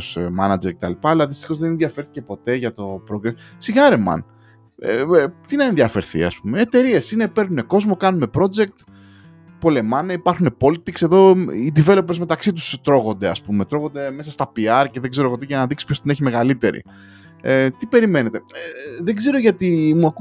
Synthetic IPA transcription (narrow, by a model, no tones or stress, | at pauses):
smɐnɐd͡ze̞ɾce̞t̪ɐlipɐɐlɐððist̪i̥xo̞zðenenðjɐfe̞ɾθice̞po̞t̪e̞ʝɐt̪o̞pɾo̞ɡɾessiɣɐɾemɐ̰n̰ | t̪inɐenðjiɐfe̞ɾθḭɐ̰spume̞ːt̪e̞ɾie̞sine̞pe̞ɾnune̞ko̞zmo̞kɐnune̞pɾo̞d͡ze̞k̚t̪ | po̞le̞mɐneipɐɾxunepo̞lit̪ikse̞ðo̞id̪ive̞lo̞pezme̞t̪ɐksit̪̬u̥st̪ɾo̞ɣo̞nd̪e̞ɐspumet̪ɾo̞ɣo̞nd̪e̞me̞sɐst̪ɐpiɐɾce̞ðeɡze̞ɾoɣot̪iʝɐnɐðiksi̥pçost̪ine̞çime̞ɣalit̪e̞̰ɾḭ | et̪ipe̞ɾime̞ne̞t̪eðeɡze̞ɾo̞ʝɐt̪imuɐk